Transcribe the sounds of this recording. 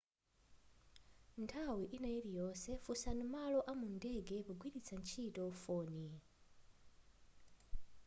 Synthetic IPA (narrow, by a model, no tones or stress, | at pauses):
ntʰawiʔinajilijɔːsɛfusanumalɔʔamundɛɡɛpuɡwiɾit͡sʰant͡ʃʰitɔfɔːni